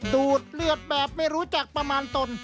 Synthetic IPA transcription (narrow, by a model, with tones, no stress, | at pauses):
duː˨˩t̪̚lɯ˥˩ət̪̚bɛː˨˩p̚ma˥˩jɾuː˦˥t͡ɕa˨˩k̚pɾa˧maː˧nt̪o˧n